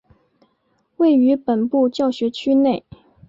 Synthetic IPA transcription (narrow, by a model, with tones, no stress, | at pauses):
we˥˩ɪy˧˥pə˨˩npu˥˧t͡ɕjɑ˥˩ʊɕɥɛ˧˥t͡ɕʰy˥ne˥˩ɪ